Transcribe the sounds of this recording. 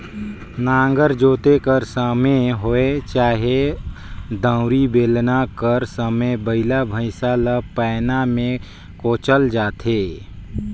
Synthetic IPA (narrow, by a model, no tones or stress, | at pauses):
nãːŋɡəɾd͡ʒoːt̪ekəɾsəmeɦoet͡ʃaːɦe | d̪ə̃ːʊɾibeːlnakəɾsəmebəɪlabʱəɪsalapɛːnamẽ | koːt͡ʃəld͡ʒaːt̪ʰeː